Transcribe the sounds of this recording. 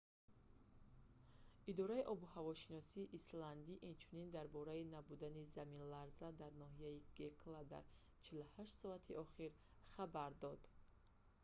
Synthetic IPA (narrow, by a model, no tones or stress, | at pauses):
id̪ɔɾaiʔɔbuhavɔʃinɔsiːʔːsland̪iʔint͡ʃʰunind̪aɾbɔɾainabud̪anizaminlaɾzad̪aɾnɔhijaiɡe̞kʰlad̪a̰ɾ | t͡ʃʰiluhaʃt̪sɔat̪ʰiʔɔχiɾ | χabaɾd̪ɔd̪̥